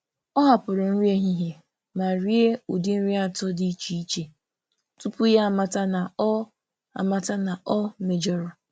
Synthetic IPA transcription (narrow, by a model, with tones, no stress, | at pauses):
ɔ˦ɦa˨pʊ˨ɾʊ˨n̩˦ɾi˦e˦ɦi˦ɦje˨ | ma˨ɾi˦e˦o˨dɪ˦n̩˦ɾi˦a˨tɔ˦di˦t͡ʃi˨i˦t͡ʃe˨ | tu˦pu˦ja˦˨ma˦ta˦na˨˦ | a̰˨ma˦ta˦na˨ʔɔ˦me˨d͡ʒɔ˦ɾʊ˨